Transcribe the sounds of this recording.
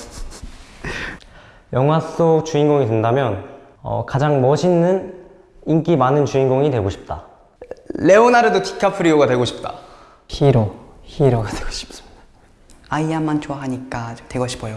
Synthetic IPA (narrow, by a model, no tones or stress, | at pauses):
jʌŋɦwas͈ot͡ɕuinɡoŋidwe̞ndamjʌn | ʌ̰kad͡ʑaŋmʌɕʰinːɯn | ink͈imanɯnt͡ɕuinɡoŋidweɡoɕʰi̥p̚t͈a | le̞onaɾedokʰi̥kʰapʰɯɾioɡadwe̞ɡoɕʰi̥p̚t͈a̰ | çiɾo | çiɾoɡadweɡ̥o̥ɕʰi̥p̚s | aiamːant͡ɕoaɦaɲik͈at͡ɕɯtwe̞ɡʌɕʰi̥pʰojo